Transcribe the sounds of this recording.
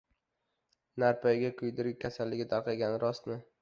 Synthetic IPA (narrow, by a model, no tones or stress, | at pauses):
naɾpʰajɡʲakʲʰʊjd̪ɪɾɡʲakʰʲasalːɪɡʲɪt̪ʰaɾqʰɑɡʲanɾʔɒst̪nɪ